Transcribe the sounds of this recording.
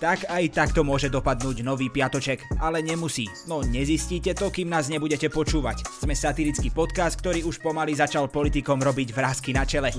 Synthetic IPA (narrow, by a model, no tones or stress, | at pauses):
t̪akajt̪akt̪ɔmʊɔʒɛd̪ɔpad̪nuːɟnɔʋiːpɪat̪ɔt͡ʃɛkalɛɲɛmusiːnɔɲɛzisciːcɛt̪ɔkiːmnaːzɲɛbuɟɛcɛpɔt͡ʃuːʋa̰cz̥mɛsat̪iɾit͡skipɔt̪kast̪̚kt̪ɔɾiːuʃpɔmalizat͡ʃalpɔlit̪ikɔmɾɔbiɟvɾaːskinat͡ʃɛlɛ